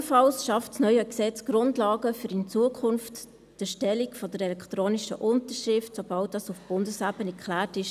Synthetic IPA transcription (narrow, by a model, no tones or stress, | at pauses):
fɑlsʃɑftsnœʏəksɛt͡sɡ̥ɾʊndlɑːɡəfyɾɪnt͡suəkʰʊnft | d̥əʃtɛlikfɔd̥əɾɛlɛkʰtɾoːniʃə̰ʔʊntəɾʃɾɪftsob̥ɑlt̚d̥ɑsufb̥ʊndəsæbənɛkʰlæːtɪʃ